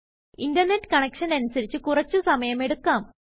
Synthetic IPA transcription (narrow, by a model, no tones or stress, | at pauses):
indɐrne̞ʈːkɐɳekʂɐnɐnusɐɾit͡ɕːɨkurɐt͡ɕːusɐmɐjɐme̞ɽukːaːm